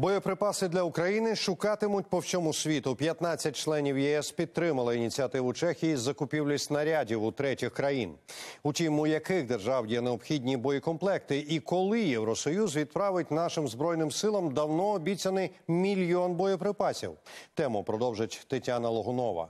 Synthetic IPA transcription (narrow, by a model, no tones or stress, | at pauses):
bɔjɔpɾɪpɑsɪd̪lʲɐʊkɾɐjinɪʃʊkɑt̪ɪmʊtʲpɔwsʲɔmʊsʲʋʲit̪ʊpʲjɐt̪nɑt͡sʲːɐt̚ʲt͡ʃlˠɛnʲiwjɛɛspʲid̪̚t̪ɾɪmɐlˠɪinʲit͡sʲiɐt̪ɪʋʊt͡ʃɛxʲijizɐkʊpʲiwlʲisʲtʲnɐɾʲadʲiwʊt̪ɾɛtʲixkɾɐjinʊtʲimʊjɐkɪɣd̪erʒɑwjɛneɔbxʲidʲnʲibɔjikɔnplˠɛk̚t̪ɪikɔlˠɪjɛwɾɔsɔjuzʋʲid̪pɾɑʋɪtʲnɑʃɪmzbɾɔjnɪmsɪlˠɐmd̪ɐwnɔːbʲit͡sʲɐnɪmʲilʲjɔnbɔjɔpɾɪpɑsʲḭwt̪ɛmʊpɾɔd̪ɔwʒɪtʲt̪ɪtʲanɐlˠɔɦʊnɔʋɐ̰